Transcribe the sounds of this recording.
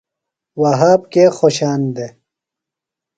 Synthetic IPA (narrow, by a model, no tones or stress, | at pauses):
wɐɦaːb̚kexoɕaːnd̪e